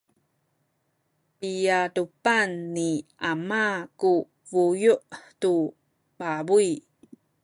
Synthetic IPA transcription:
pijadupanːiʔamaku | vujuʔtu | babuj

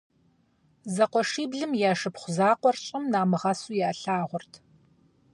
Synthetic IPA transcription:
zɐqʷɔʂiːbɮɨmjaːʂɨpχʷʊzaːqʷɔrɕʼɪmnaːmɨʁɐsuːjaːɬaːʁʷʊrtʰ

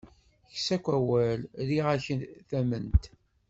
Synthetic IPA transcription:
çsækʷːæwælliʁæçənθæmənt̪

